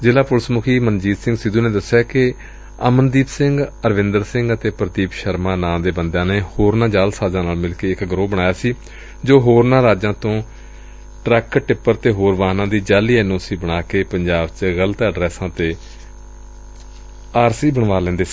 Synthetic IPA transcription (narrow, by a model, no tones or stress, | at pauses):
d͡ʒɪlaːpʊɾsəmʊkʰiːmənd͡ʒiːd̪sɪ̃ŋɡsɪd̪ũːneːd̪əsːjaːkɪ | əmənd̪iːpsɪ̃ŋɡəɾʋɪ̃nd̪əɾsɪŋɡət̪eːpɾət̪iːpʃəɾmãːnãːmd̪eːbənd̪jãːneːhoːɾnãːd͡ʒaːlsaːzãːnaːlmɪlkeːɪkɡɾoːbəɽɳaːjaːsiː | d͡ʒoːɦoːɾnãːɾaːd͡ʒãːt̪õː | ʈɾɛkʈɪpːəɾt̪eːɦoːɾʋaːnãːd̪iːd͡ʒaːliːɛːnõːsiːbəɽaːkeːpəɲd͡ʒaːbt͡ʃɣələt̪əɖɾɛːsãːt̪eː | aːɾsiːbəɳʋaːlɛ̃ːnd̪eːsiː